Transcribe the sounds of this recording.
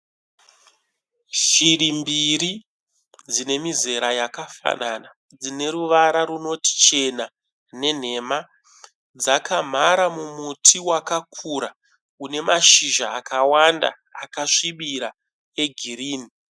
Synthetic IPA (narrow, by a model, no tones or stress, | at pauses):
ʒiɾimbiri | d͡zine̞mize̞ɾajakafa̰nana | d͡zine̞ɾuʋaɾaɾuno̞ti̥t͡ʃe̞na | ne̞n̤e̞ma | d͡zakam̤aɾamumutʰiwakakʰuɾa | une̞maʃiʒaːkawanda̰ːkaʂiɓiɾa | e̞ɡʱiriːni